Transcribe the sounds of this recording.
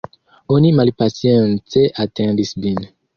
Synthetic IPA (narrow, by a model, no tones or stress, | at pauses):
onimalpasjɑ̃nteʔat̪ʰɛ̃d̪isbin